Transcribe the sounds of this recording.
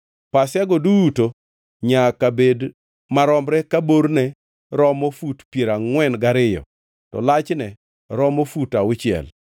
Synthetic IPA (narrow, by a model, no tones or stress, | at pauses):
pasjaɡɔduuto | ɲakabed | maɾɔmɾɛkaboɾnɛ | ɾɔmofutpjeɾaŋwɛnɡaɾɪjɔ̰ | tɔ̰lat͡ʃnɛ | ɾɔmofutaʊt͡ʃɪɛ̰l